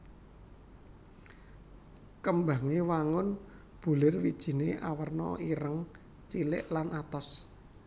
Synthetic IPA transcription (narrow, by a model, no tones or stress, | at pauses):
kəmba̤ŋiwaŋʊn | b̥ṳlɪrwid̥ʒ̥i̤neʔa̰wərnɔ̰iɾəŋ | t͡ʃilɪ̰ʔlanʔat̪ɔs